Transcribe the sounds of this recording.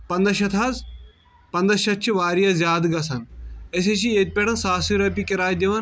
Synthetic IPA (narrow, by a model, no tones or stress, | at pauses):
pɐnd̪ɐʃɐt̪ʰaːz | pɐnd̪ɐʃɐt̪̚t͡ʃʰiʋaːɾijɐzʲjaːd̪ɡɐsɐnɐs̬eʃijet̪̚ʲpʲeʈɐnsaːsiɾɐpikiɾaːjd̪ʲiʋɐn